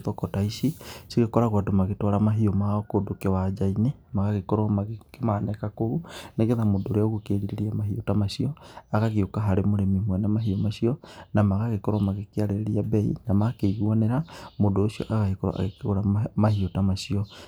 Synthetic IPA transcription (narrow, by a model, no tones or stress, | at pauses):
ðɔkɔtaisisiɣekɔɾaɣwatomaɣetɔɾamaɦiɔmaɔkodokewad͡ʒainemaɣaɣekɔɾɔmaɣekemanɛkakoɾuneɣeðamodoɾeaoɣukeɾiɾeɾiamaɦiotamaʃiɔaɣaɣeokaɦaɾemoɾemimwɛnamaɦiɔmaʃiɔnamaɣaɣekɔɾɔmaɣekeaɾeɾeɾiabɛḭnamakeɣiɔneɾamodoːsiɔ̰ʔaɣahekɔɾɔ̰ʔa̰ɣekeɣoɾamahiotamaʃiɔ